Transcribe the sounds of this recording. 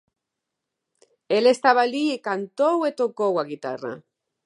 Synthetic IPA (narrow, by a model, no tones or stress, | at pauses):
elest̪aβaliekant̪owet̪okowaɣit̪a̰ra̰